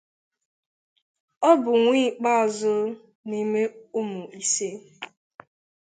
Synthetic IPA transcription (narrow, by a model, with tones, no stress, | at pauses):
ɔ˦bʊ˨ŋʷiː˦˨k͡pa˦ɔ˨zʊ˦ | ni˦me˦ʊ˦mʊ˨ʔi˦se˦